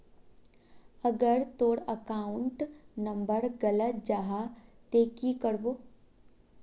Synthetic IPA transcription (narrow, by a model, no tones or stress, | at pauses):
əɡəɾt̪oːɽəkaːʊɳʈnə̃mbəɾɡələt̪̚d͡ʒaːɦat̪eːkikəɾboː